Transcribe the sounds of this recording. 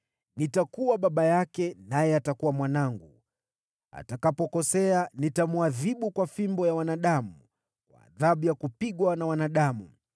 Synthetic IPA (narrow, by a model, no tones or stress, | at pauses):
nitakuwaɓaɓajakɛnajɛatakuwamwanaŋɡu | a̰takapɔkɔsɛanitamuaðiɓukwafimbɔjawanaɗamu | kwa̰ːðaɓujakupiɠwanawanaɗamu